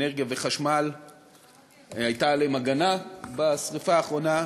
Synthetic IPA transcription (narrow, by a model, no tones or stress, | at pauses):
neʁɡjave̞χaʃmal | hajtalemaɡanabasʁifaːχʁo̞na